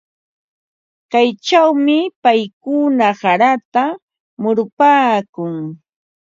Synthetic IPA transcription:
kajt͡ʃawmɪpajkʊnasaɾat̪a | mʊɾʊpaːkʊŋ

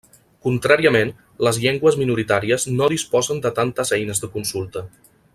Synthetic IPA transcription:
kunt̪ɾaɾiəmen | ləzʎeŋɡwəzminuɾit̪aɾiəznoðispɔzənd̪ət̪ant̪əzɛjnəzðəkunsulˠt̪ə

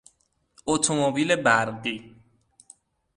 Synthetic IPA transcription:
ot̪ʰomobiːle̞bæɾd̪iː

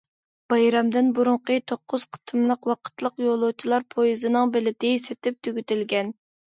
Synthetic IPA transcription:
b̥ɑjɾɑmd̪ɪnbuɾʊɴqət̪ʰoqːʊz̥qʰə̥t̪ʰɨmlˠəqwɑqʰə̥t̪lˠəqjolˠʊt͡ʃʰilˠɑɾpʰojizɨnɨŋbɪlɪd̪ɪset̪ɪp̚t̪ʰyɡʲyt̪ɪlɡʲɛn

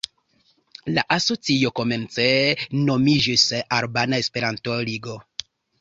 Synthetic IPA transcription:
laʔaso̞t͡sio̞ko̞me̞nt͡senomid͡ʒisaɾbanaespe̞ɾantoliɡo

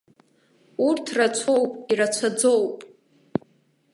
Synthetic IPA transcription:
urtʰrat͡sʷʰo̞wpʼirat͡sʷʰad͡zowpʼ

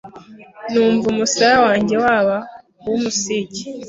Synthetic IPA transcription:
nuːɱvumusaɾawaːɲɟe̞waβa | wumusiɟi̥

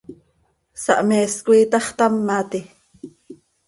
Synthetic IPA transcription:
sɑ̰ʔmeːskuiːt̪ɑχt̪amːaːt̪i

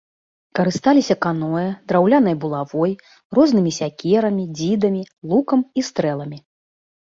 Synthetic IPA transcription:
kɐɾɨst̪alʲisʲɐkanɔjɐd̪ɾawlʲanɐjɐbulˠavɔj | rɔznɨmʲisʲakʲɛɾɐmʲid͡zʲid̪ɐmʲi | lˠukɐmist̪ɾɛlˠɐmʲi

